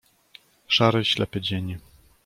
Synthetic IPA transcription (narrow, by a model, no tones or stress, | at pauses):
ʂaɾɘɕlɛ̰pɘd͡ʑeɲi